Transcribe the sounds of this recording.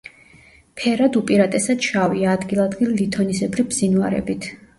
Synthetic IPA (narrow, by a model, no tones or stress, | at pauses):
pʰɛɾad̪upʼiɾat̪ʼɛsad̪̥ʃaviaːd̪ɡilˠad̪ɡilːit̪ʰɔnisɛbɾibz̥inuaɾɛ̰bit̪ʰ